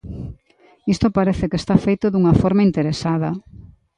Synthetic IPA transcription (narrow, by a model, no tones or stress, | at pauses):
ist̪opaɾɛθɪkest̪afejt̪oðuŋɐfɔɾmaint̪eɾesaðɐ